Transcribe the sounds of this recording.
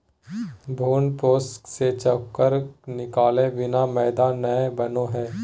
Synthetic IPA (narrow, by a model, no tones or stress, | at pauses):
bʱoːnpoːskset͡ʃəkːəɾk̚nɪkaːlẽʋɪnamɛːd̪aːnnːɐebɐnoɦɛː